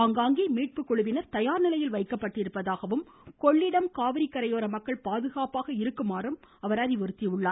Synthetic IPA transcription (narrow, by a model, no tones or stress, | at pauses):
aŋɡaːŋɡimiːʈ̚pɯkːɔɻɯʋɪnɐɾt̪ɐjaːɾnɪlɐjɪlʋɐɪkːɐpːɐʈːɪɾɯpːɐðaːɣɐʋɯm | kɔɭːɪɽɐmkaːʋɪɾɪkːɐɾɐjoːɾɐmɐkːɐɭpaːðɯɣaːpaːɣɐɪɾɯkːɯmaːɾɯm | ɐʋɐɾɐðɪʋɔɾɯt̪ːiʊɭːaːɾ